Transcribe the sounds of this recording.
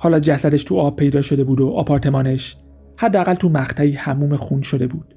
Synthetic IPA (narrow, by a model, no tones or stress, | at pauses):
hɒːlɒːd͡ʒæsæd̪e̞ʃt̪ʰuɒːb̥̚pʰe̞jd̪ɒːʃo̞d̪e̞buːd̪oʔɒ̰ːpʰɒːɾt̪ʰe̞mɒːneʃ | hæd̪ːeæɣælt̪ʰumæχt̪ʰæiːhæmuːme̞xunʃo̞d̪e̞buːd̪̥